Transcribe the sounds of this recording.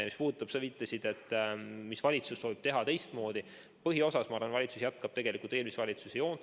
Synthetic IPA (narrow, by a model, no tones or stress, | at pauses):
mispuːd̪ut̪ːˑɑb̥sevit̪ːˑesid̪̥e̞t̪ːˑmisvɑlʲit̪susːo̞ːvib̥̚t̪e̞ɦɑt̪e̞jst̪mo̞ːd̪i | pɤɦio̞sɑsmɑɑːɾrvɑnvɑlʲit̪susjæt̪kɑb̥t̪e̞ɡ̥elikult̪eːlmisvɑlʲit̪susejo̞ːn